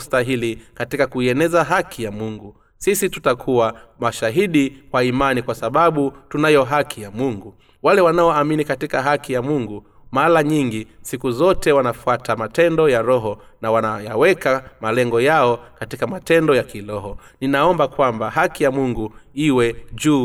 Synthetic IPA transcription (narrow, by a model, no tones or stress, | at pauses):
staɦilikatikakuiɛnɛzaɦakʰijamuŋɡu | sisitutakʰuwamaʃaɦiɗikwaimanikwasaɓaɓutunajɔɦakʰijamuŋɡu | walɛwanaɔaminikatikaɦakijamuŋɡu | malaɲiŋɡisikuzɔtɛwanafuatʰamatɛndɔjaɾɔɦɔ | nawanajawɛkamalɛŋɡɔjaɔkatikamatɛndɔjakilɔɦɔ | ninaɔmbakwambaɦakijamuŋɡuiwɛʄuː